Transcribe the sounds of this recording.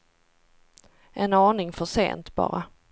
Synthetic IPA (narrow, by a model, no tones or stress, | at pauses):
ʔɛnɑːnɪŋfœʂḛːnt̪b̥ɑ̰ːɾa